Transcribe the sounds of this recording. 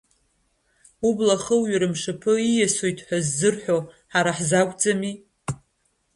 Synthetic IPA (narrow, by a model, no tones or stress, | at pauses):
ublaχəwɥaɾɨmʂɨpʰɨijasojtʰʼħʷᶣazːɨrħᶣo | ħaɾaħzakʷʼd͡zʼami